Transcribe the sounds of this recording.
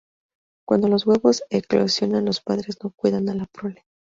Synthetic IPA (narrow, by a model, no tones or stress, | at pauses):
kwand̪o̞lo̞zɣweβo̞seklosjo̞nanlo̞spaðɾe̞zno̞kwiðanalapɾole